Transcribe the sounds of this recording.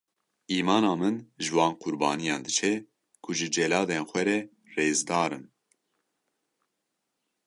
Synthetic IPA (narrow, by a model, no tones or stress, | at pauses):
ʔiːmɑːnɑːmɨnʒɨwɑːnqʰʊɾbɑːnijɑːnd̪ɨt͡ʃʰɛ | kʰʊʒɨd͡ʒɛlɑːd̪eːnxʷɛɾɛ | reːzd̪ɑːɾɨn